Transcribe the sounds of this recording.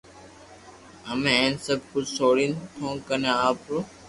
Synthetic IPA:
əmẽːẽːnsəb̚kʊt͡ʃsoːɽint̪ʰõːkənẽaːpɾoː

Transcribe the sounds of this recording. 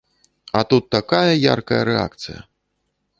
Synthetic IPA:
ɐt̪ut̪ːakajɐja̰rkɐjɐ̰ɾɛa̰kt̪sɨjɐ̰

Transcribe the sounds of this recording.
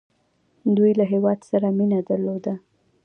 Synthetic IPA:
d̪ujlaɦewɑd̪saɾaminad̪aɾlod̪a

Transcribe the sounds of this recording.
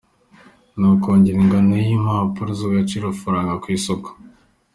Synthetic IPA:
nokoːɲɟiɾiŋɡanejimahapuɾozoɡat͡ʃiɾofuɾaːŋɡakwiːsoko̥

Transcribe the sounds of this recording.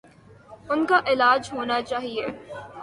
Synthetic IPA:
ʊnkaʔɪlaːd͡ʒɦoːnat͡ʃaːɦieː

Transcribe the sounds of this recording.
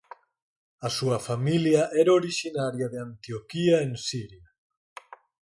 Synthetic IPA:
asuɐfamiljaʔɛɾoɾiʃinaɾjaðeant̪iokiaensiɾja

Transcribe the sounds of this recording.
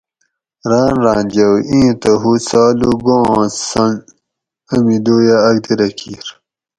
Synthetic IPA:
ɾɑːnɾɑːnd͡ʑɐwĩːt̪ɐɦut͡saːluɡõːsɐn | ɐmid̪oːjaːɡ̚d̪iɾɐkʰiːɾ

